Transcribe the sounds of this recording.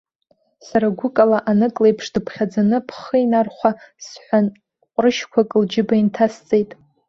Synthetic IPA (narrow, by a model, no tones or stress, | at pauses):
saɾaɡʷʊkʼalaʔanɨkʼlejpʰʂdɨpʰχʲad͡zanɨpʰχəinarχʷasħʷan | qʷʼrɨʃkʷʰakʼɨld͡ʒɪbaintʰast͡sʼe̞jtʼ